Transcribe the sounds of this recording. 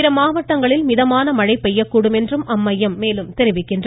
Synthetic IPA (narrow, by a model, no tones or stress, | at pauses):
ɪɾɐmaːʋɐʈːɐŋɡɐɭɪlmɪðɐmaːnɐmɐɻɐɪpːɛjːɐkːuːɽɯmɛndrɯmʔɐmːɐjːɐmːeːlɯmt̪ɛɾɪʋɪkːɪndr